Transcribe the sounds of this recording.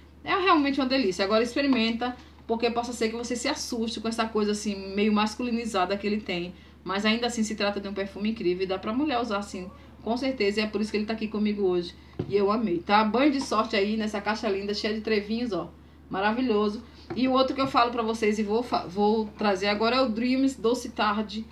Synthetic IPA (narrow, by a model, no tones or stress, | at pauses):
ɛũɦeawmẽnt͡ʃɪũɐd̪elisjɐaɡɔɾɐispeɾimẽnt̪ɐ | poɾkepɔsɐseɾkɪvosesɪasuʃt͡ʃɪkõɛsɐkojzɐasĩmejʊmaskulĩnizad̪ɐkɪelɪt̪ẽj̃ | mɐjzaĩnd̪ɐasĩsɪt̪ɾat̪ɐd͡ʒɪũpeɾfũmɪĩkɾivewɪd̪apɾɐmuʎɛɾuzaɾasĩ | kõseɾt̪ezɐiɛpoɾisʊ̥kelɪt̪akikõmiɡʊoʒɪ | ɪewɐ̃mejt̪abɐ̃j̃d͡ʒɪsɔɾt͡ʃɪainɛsɐkaʃɐlĩnd̪ɐʃejɐd͡ʒɪt̪ɾevĩɲʊzɔ | maɾaviʎozʊ | ɪʊowt̪ɾʊkɪewfalʊpɾɐvosezɪvowfa̰vowt̪ɾazeɾaɡɔɾɐɛʊd̪ɾĩmɪsd̪osɪt̪aɾd͡ʒɪ